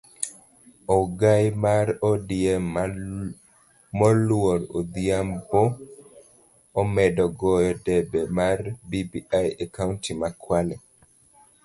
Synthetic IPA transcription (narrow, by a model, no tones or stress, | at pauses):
ɔɡajmaɾɔdiɛm | mɔlwoɾo̰d̪iambo | mɛdɔɡɔjɔdɛbɛmarbibiʔajakauntimakʰwalɛ